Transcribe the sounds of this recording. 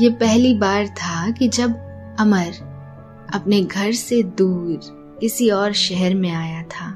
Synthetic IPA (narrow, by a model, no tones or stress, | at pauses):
jeːpɛɦlibaːɾt̪ʰakid͡ʒɐbɐməɾ | ɐpneɡʱɐɾsed̪uːɾ | kɪsiɔːɾʃɛɦɛɾmẽaːjat̪ʰaː